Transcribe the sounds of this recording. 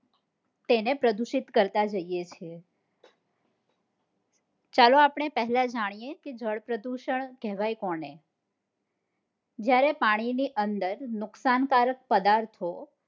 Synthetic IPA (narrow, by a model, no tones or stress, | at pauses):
t̪enepɾəd̪uʃɪt̪kəɾt̪ad͡ʒəijet͡ʃʰe | t͡ʃaloapɳ̃epəɦlad͡ʒaɽ̃ijeked͡ʒəɭpɾəd̪uʃəɳkɛʋajkɔɳe | d͡ʒjaɾepaɽ̃iniʔənd̪əɾnʊksankaɾək̚pəd̪aɾt̪ʰo